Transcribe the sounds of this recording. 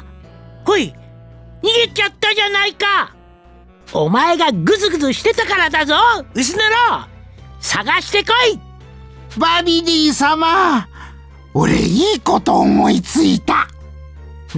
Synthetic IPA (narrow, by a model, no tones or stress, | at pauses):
hoi | ɲiɡʲit͡ɕat̪ːad͡ʒanaika | omae̞ɡaɡɯzɨɡɯ̟zɨɕi̥t̪e̞t̪akaɾad̪azoɯ̟s̬ɨnaɾo | saɡaɕi̥t̪e̞ko̞i | babʲiɾʲiːsama | o̰ɾḛiːko̞t̪o̞ːmo̞it͡sɨit̪a